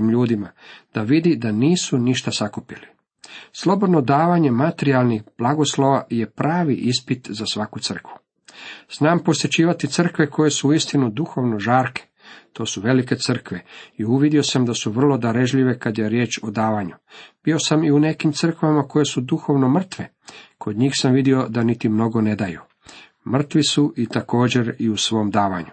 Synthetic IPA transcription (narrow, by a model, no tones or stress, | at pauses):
imʎuːd̪imad̪̥aʋid̪id̪aniːsuniʃt̪asakupili | slˠo̞bod̪no̞d̪aːʋaɲe̞mat̪eɾialˠnixb̥lˠaɡo̞sloʋaje̞pɾaːʋiʔispit̪zasʋakut̪sər̩kʋu̥ | snaːmpo̞sjet͡ɕiːʋat̪it̪sɨr̩kʋe̞kʰoje̞suuist̪inud̪uxo̞ʋno̞ʒaːɾke̥ | t̪o̞ːsuʋe̞like̞t̪sər̩kʋeiuʋid̪io̞samd̪asuʋr̩lˠo̞d̪aɾe̞ʒʎiʋe̞kad̪je̞ɾje̞ːt͡ʃo̞d̪aːʋaːɲub̥io̞samiune̞kimt̪sɨr̩kʋamako̞je̞sud̪uxo̞ʋno̞mr̩t̪ʋe | kʰod̪ɲiːxsamʋid̪io̞d̪anit̪imno̞ɡo̞ne̞d̪ajṵ | mr̩t̪ʋisuʔit̪ako̞ːd͡ʑe̞ɾiusʋo̞md̪aːʋaɲu